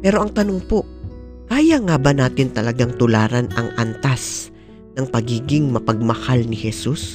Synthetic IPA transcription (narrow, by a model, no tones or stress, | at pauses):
pɛːɾo̞ʔɐŋt̪ɐnoŋpo̞ʔ | kaːjaŋaːbɐnaːt̪ɪnt̪ɐlɐɡaŋt̪ʊlaːɾɐnɐ̰ŋʔɐnt̪as | nɐŋpɐɡiːɡɪŋmɐpɐɡ̚mɐhalnɪhɛsus